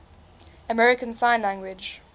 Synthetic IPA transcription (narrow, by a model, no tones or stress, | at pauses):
əmɛɹɪkə̃nsãɪ̃nlæ̃ŋɡwɪd͡ʒ